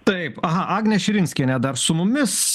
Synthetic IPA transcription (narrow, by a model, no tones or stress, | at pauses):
t̪ɐɪpɐɦɐʔɑːɡnʲɛʃʲɪɾʲɪnʲsʲkʲiɛnʲɛd̪ɐrsʊmʊmʲɪs